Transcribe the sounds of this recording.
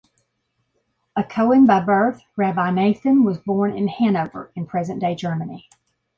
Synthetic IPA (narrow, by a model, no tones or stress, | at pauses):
ɨkʰoʊɪ̃ŋbaɪbɜ˞θ | ɹæbaɪneɪθɨ̃nwʌzbɔɹnɪ̃nhæ̃noʊvə̰˞ɨ̃npʰɹ̥ɛzɨ̃nd̥eɪd͡ʒɜ˞mɨni